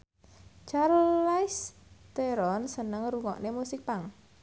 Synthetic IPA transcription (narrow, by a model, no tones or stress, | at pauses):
t͡ʃaɾlaɪst̪eɾɔnsənəŋruŋɔ̰ʔnemusɪk̚paŋ